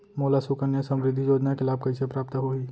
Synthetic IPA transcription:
moːlasukənjəsɐ̃mɾɪd̪ʱːijoːd͡ʒnakɪlaːb̚kɐisepɾaːpt̪ɦoiː

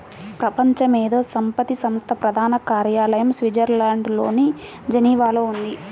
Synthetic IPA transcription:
pɾɐpɐɲt͡ʃɐmeːd̪oːsɐmpɐt̪isɐmst̪ʰɐpɾɐd̪ʱaːnɐkaːɾjaːlɐjɐmsʋid͡ʒɐɾlaːɳɖlo̞ːni | d͡ʒɐniːʋaːloːund̪i

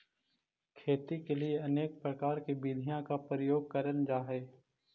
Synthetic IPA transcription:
kʰeːt̪ikelieɐneːk̚pɾəkaːɾkibiːd̪ʱijãkapɾəjoːɡ̚kəɾənd͡ʒaːɦeː

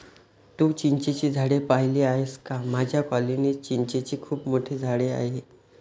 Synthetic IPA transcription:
t̪uːt͡ɕiɲt͡ɕet͡ɕiːd͡zʱaɽepaɦileaɦeskamad͡ʑʱjakɔlinet͡ɕiɲt͡ɕet͡ɕiːkʰuːpmoʈʰed͡zʱaɽea̰ɦe

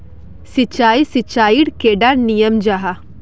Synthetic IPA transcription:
sɪt͡ʃaːisit͡ʃaːiɽkeːɖanijəmd͡ʒaːɦa

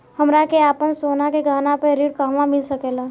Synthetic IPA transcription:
həmɾakeaːpənsoːnakeɡʱaːnapəɾiːɽkaːɦmãmɪlsəkeːlaː

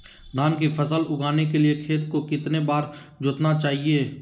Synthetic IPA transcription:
d̪ʱaːnk̬ipʰəsəlʊɡaːnekeliekʰeːt̪kokɪt̪nebaːɾ | d͡ʒʊt̪nat͡ʃaːɦieː

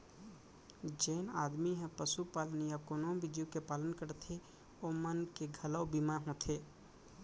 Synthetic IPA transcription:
d͡ʒeːnaːd̪miɦɛ̃pəsupaːlənijakonõbɪd͡ʒijokepaːlənkəɾt̪ʰe | omənkeɡʱələwbimaɦõt̪ʰeː

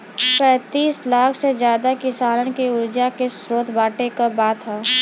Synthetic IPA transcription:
pɛ̃ːt̪iːslaːkʰsezjaːd̪akisaːləɽkeʊɾd͡ʒakesɾoːt̪ʰbaːʈekabaːt̪ɦaː

